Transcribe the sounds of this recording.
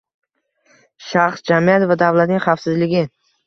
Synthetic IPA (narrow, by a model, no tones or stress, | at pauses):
ʃaχsd͡ʒamijat̪vad̪avlat̪nɪŋʲχafsɪzlɪɡʲɪ